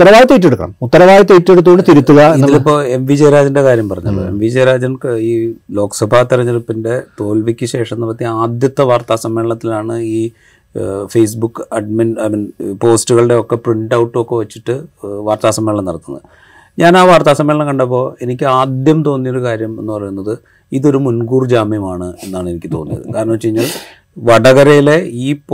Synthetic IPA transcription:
ut̪ːɐɾɐʋaːjɐt̪ːiːʈ̬ːeɽukːɐ̰ɳɐ̰mut̪ːɐɾɐʋaːjɐt̪ːiːʈːeɽut̪ːuɣoɳɖɨt̪iɾut̪ːuɣɐenːilpːo̞ːe̞mʋid͡ʑejɾaːd͡ʑɐndekaːɾjɐmpɐrɐɲːɐlːo̰ḛmʋid͡ʑeːɾaːd͡ʑɐnkiːlo̞ːksɐbʱaːt̪iɾɐɲːɐɾupːinde̞t̪o̞ːlʋikʲːɨɕe̞ːʂɐnːɐbɐt̪ːiaːd̪jɐt̪ːɐʋaːrt̪aːsɐmːe̞ːɭɭɐt̪ːilaːɳɨiː | fejsbukːɐɖminɐminpo̞ːstuɣɐɭɨɽe̞o̞kːe̞priɳɖɐwʈːɨo̞kːe̞ʋɐt͡ɕːiʈːɨʋaːrt̪aːsɐmːeːɭɐmnɐɽɐt̪ːunːɐ̰ðɨ | ɲaːnaːʋaːrt̪aːsɐmːeːɭɐmkɐɳɖɐp̬ːo̞ːe̞nikʲːɨaːd̪jɐmt̪o̞ːnːijoɾukaːɾjɐme̞̰nːɨpɐrɐjunːɐðɨ | iðo̞ɾumunɡuːrd͡ʑaːmjɐmaːɳɨe̞nːaːɳe̞nikʲːɨt̪o̞̰ːnːḭjɐ̰ðɨ̰kaːɾɐɳɐmt͡ɕe̞jiɲːaɭ | ʋɐɽɐɣɐɾɐjile̞iːp

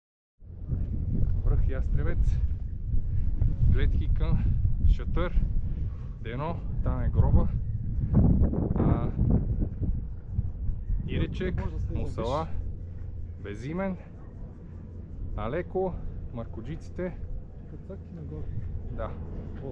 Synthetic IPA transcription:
bɾəxjast̪ɾɛvɛt̪s | ɡlɛt̪kʲikənʃət̪əɾ | d̪ɛnɔt̪aɛɡɾɔbə | a | iɾɛt͡ʃɛkmosɐlˠa | bɛzimɛn | alɛkoməɾkod͡ʒit̪si̥t̪ɛ | d̪a

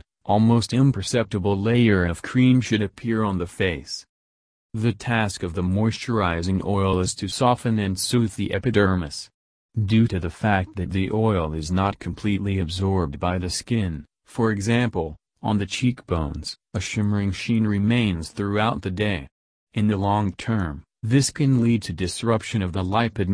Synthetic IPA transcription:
ʔɔlˠmoʊstɪ̃mpʰə˞sɛp̚tɨbl̩ˠleɪə˞ʌv̥kʰɹ̥ĩmʃɨɾɨpʰɪɹə̃nðɨfeɪs | ðɨtʰæskʌvðəmɔɪst͡ʃə˞aɪzɪ̃ŋʔɔɪlˠɪz̥tʰɨsɔfɨ̃nɨ̃nsʉθðiʔɛpɨdɜ˞mɨs | dʉɾɨðɨfæk̚t̪̚ðɨt̪̚ðiʔɔɪlˠɪznət̚kʰm̩pʰl̥itˡliɨbzɔɹb̚baɪðɨskɪ̃n | fə˞ɨɡzæ̃mpl̩ˠ | ə̃nðɨt͡ʃʰikb̥õʊ̃nz̥ | əʃɪmə˞ɪ̃ŋʃĩnɹɨmẽɪ̃nz̥θɹʉaʊt̪̚ðɨdeɪ | ɨ̃nðɨlɔ̃ŋtʰɜ̃˞m | ðɪskʰɨ̃nlid̚tʰɨdɨsɹʌpʃɨ̃nʌvðəlaɪpɨd̚

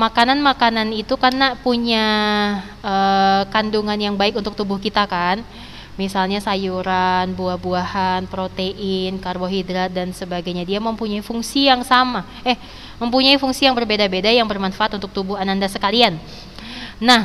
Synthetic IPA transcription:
makananmakananit̪ukarnapuɲa | əkanduŋanjaŋbaɪkunt̪ʊk̚t̪ubʊhkit̪akan | misalɲasajuɾanbuahbuahanpɾot̪eʔɪnkarboɦidɾat̪̚dansəbaɡajɲadiaməmpuɲaifuŋsijaŋsama | ɛh | məmpuɲaifuŋsijaŋbərbedabedajaŋbərmanfaat̪unt̪ʊk̚t̪ubʊhanandasəkalianː | ah

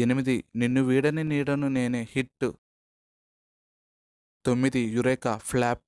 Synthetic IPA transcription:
enimid̪ininːuʋiːɽɐniniːɽɐnuneːneːhiʈːu | t̪o̞mːid̪ijuɾeːkɐpʰlaːp̚

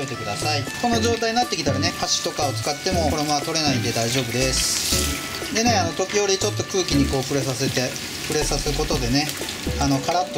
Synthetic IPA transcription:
et̪e̞kɯ̟d̪asaiko̞no̞ʑo̞ːt̪aiɲinat̪ːe̞kʲit̪aɾane̞haɕi̥t̪o̞kaot͡sɨ̥kat̪ːe̞mo̞ko̞ɾo̞moβat̪o̞ɾe̞naĩnd̪e̞d̪aiʑo̞ːbɯ̟d̪e̞sɨ̥ | d̪e̞ne̞ano̞t̪o̞kʲijo̞ɾʲit͡ɕo̞t̪ːo̞kɯ̟ːkʲiɲ̟iko̞ːɸɯ̟ɾesaset̪e | pɯ̟ɾe̞sasɨko̞t̪o̞d̪e̞ne̞ | ano̞kaɾat̪ːo

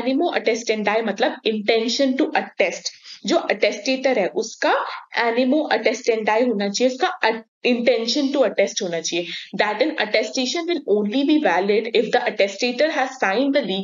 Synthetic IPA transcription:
nɪmoʔɐʈɛsʈɛ̃ɳɖaːjmɐt̪ləb̚ɪ̃ɳʈɛ̃nʃə̃nʈuʔɐʈɛsʈd͡ʒoːʔɐʈɛsʈeːʈəɾɦɛʔʊskaʔænɪmoʔɐʈɛsʈɛ̃ɳɖaːjɦũːnat͡ʃieʊska | ɪ̃ɳʈɛ̃nʃə̃nʈuɐʈɛsʈɦuːnat͡ʃied̪æʈɛ̃nɐ̰ʈɛsʈeːʃə̃nʋɪlõːnlibiʋælɪɖɪfd̪əʔɐʈɛsʈeːʈəɾɦæzsãɪ̃nɖd̪əliː

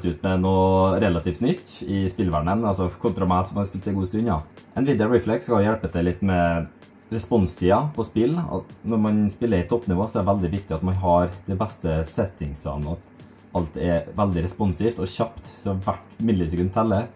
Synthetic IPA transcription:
t̪ʉːt̪mɛnuːɾɛlɑt̪iːft̪nʏt̪ːɪspɪlʋæɳənɑlsɔkʰʊnt̪ɾɑmæsɔmɑspɪlt̪ɪɡuːst̪ʉnɑ | ʔɛnʋɪːd̪ɛəɹiːflɛkskɑlʋjæɽpət̪ʰɛlɪt̪ːmɛ | ɾɛspɔnst̪ʰiːɑpʰɔspɪlɔ̰nɔɾmɑnspɪlːəɾɪt̪ʰːɔpːnɪʋoːsɔɛɛʋæld̪ɪʋɪkt̪ɪɑt̪mɑnɦɑɾd̪ɛbɛst̪əsɛt̪ːɪŋsɑ̰nɑt̪ | ɑlt̪ɛʋɛld̪ɪɾɛspɔnsiːft̪ɔɕɑpt̪sɔʋæʈmʏnlɪsɛkʉnt̪ʰɛlːə

